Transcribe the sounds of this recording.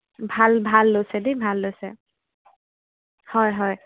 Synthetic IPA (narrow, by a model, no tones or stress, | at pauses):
bʱalbʱalːojsɛdibʱalːojsɛ̰ | hɔjɦɔj